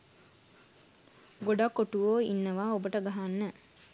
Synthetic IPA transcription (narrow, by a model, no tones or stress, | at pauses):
ɡoɖakːoʈuoːinːəʋaːobəʈəɡaɦanːə